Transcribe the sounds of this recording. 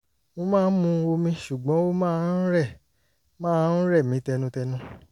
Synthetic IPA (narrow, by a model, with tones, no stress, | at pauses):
mõ˧mãː˦˧n̩˦mũ˧o˧mĩ˧ʃu˨ɡ͡bɔ̃˨˦wo˦mãː˦˧˦n̩˦ɾɛ˦˨ | mãː˦˧˨n̩˦ɾɛ˦˨mĩ˨˦tɛ˧nũ˧tɛ˧nũ˨˧